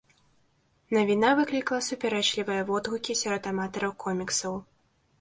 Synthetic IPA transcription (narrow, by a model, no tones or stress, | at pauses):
nɐvʲinavɨklʲiklˠɐsupʲɛɾɛt͡ʂlʲivɨjɐvɔd̪ɣukʲisʲɔɾɔt̪amat̪ɐɾɐwkʰɔmʲiksɐw